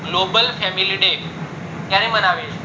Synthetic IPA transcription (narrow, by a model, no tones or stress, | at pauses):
ɡloːbəlfɛmiliɖeː | t̪jãñẽmənaʋeːʃ